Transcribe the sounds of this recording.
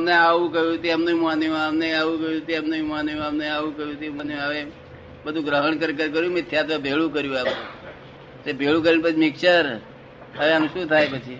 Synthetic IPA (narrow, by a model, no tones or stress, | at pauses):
mneaʋũkəjũɦt̪iamnũimuanijũamneaʋũkəjũt̪iamnuimuanejũamneaʋũkəjũt̪imñaʋe | bəd̪ʱũɡɾəɦəɳkəɾkəɾk̬əɾjũmet̪ʰjat̪ʋəbʱeɭũkəɾjũaʋ | sebʱeɭũkəɾinpət͡ʃʰimɪkʃəɾ | əʋeanũʃũt̪ʰajpət͡ʃʰi